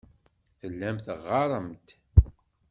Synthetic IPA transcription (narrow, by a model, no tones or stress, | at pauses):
θəlːæmθəʁːɑɾˤəmt̪